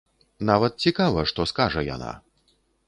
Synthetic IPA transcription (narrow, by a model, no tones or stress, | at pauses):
navɐt̪̚t͡sʲikavɐʂt̪ɔskaʐɐja̰na̰